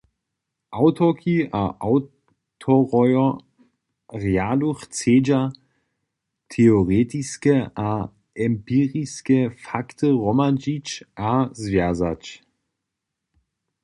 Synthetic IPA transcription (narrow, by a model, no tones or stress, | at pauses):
ʔaʊtʰɔkʰiʔaʔaʊ | tʰɔʁɔjɔ | ʁjaːluxt͡seːd͡ʑa | tʰeoʁeːtiskəʔa | ʔɛmpiːʁiskəfaktəʁɔmad͡ʒit͡ɕʔazvjaza̰t͡ɕ